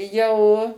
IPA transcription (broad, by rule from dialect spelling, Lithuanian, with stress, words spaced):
ˈjɛʊ